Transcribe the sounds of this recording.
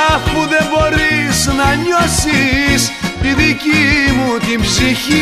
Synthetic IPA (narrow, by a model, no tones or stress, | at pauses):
ɐfuðe̞mbo̞ɾiznɐɲosist̪iðicimut̪imbsiçi